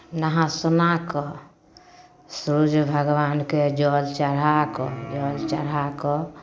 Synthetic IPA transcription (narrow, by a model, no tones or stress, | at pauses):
naɦãsunakɔ | sɾud͡ʒbʱəɡʋanked͡ʒɔlt͡ʃəɾakɔd͡ʒɔlt͡ʃəɾakɔ